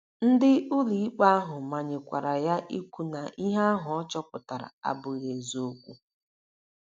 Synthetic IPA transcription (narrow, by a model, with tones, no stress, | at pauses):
n̩˦dɪ˦u˦li˨i˦k͡pa˦a˦ɦʊ˨ma˨ɲɪ˨kʷa̰˨ɾa˨ja˦ʔi˦kʷu˦na˨ʔi˦ɦa˦a˦ɦʊ˨ɔ˦t͡ʃɔ˦kʷʊ˨ta˨ɾa̰˨a̰˨bʊ˨ɣe˨zo˦kʷu˦